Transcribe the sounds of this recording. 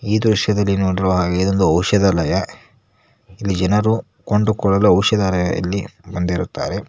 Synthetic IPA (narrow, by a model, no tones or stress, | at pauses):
iːd̪ɾuʃjɐd̪ɐlːinoːɽiɾɐʋɐɦaːɡeid̪ond̪uɐwʂɐd̪ɐlɐjɐ | ilːid͡ʒɛnɐɾu | koɳɖukɔɭɐluɐwʃɐd̪alɐjɐ̰ɐ̰lːibɐnd̪iɾut̪ːa̰ːɾe̞